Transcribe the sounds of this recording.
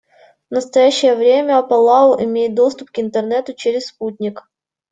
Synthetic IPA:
nəst̪ɐjæɕːɪjəvɾʲemʲəɐpɐlˠaʊʔɪmʲejɪt̪̚d̪o̞st̪ʊpkɪnt̪ɨrnɛt̪ʊt͡ɕeɾʲɪsːput̪ʲnʲɪk

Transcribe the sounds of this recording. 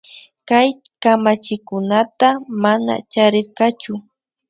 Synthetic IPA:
kaj | kamat͡ʃɪkʊnat̪amana̰t͡ʃaɾɪɾqɑt͡ʃʊ

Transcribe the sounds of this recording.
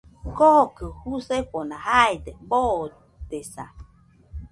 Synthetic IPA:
kokɨhuseɸonahaed̪ebo | d̪esa̰

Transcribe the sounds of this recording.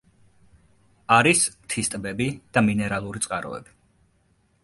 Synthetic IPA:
aɾist̪ʰist̪ʼbɛbid̪̥aminɛɾalˠuɾit̪sʼqʼaɾɔ̰ɛ̰bi̥

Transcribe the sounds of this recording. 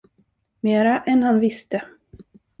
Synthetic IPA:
meːɾaʔɛnhanvɪst̪ə

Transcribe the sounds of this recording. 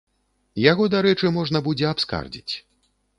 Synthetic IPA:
jaɣɔd̪aɾɛt͡ʂɨmɔʐnɐbud͡zʲɛapska̰rd͡zʲit͡sʲ

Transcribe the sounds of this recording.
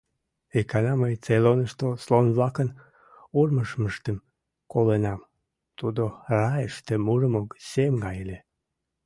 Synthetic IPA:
ikʰɑnɑməjt͡selonəʃt̪oslonβlɑkən | urməʃməʃt̪əm | kolenɑm | t̪ud̪orɑjəʃt̪emurəmoksemɡɑjlʲe

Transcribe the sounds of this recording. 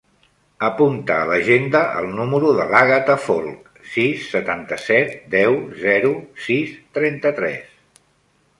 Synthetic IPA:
əpunt̪əːləʒend̪əʔə̰lˠnuməɾuðəlaɣət̪əfolˠk | sisːət̪ant̪əsɛt̪̚d̪ɛwzɛɾusist̪ɾɛnt̪ət̪ɾɛ̰s

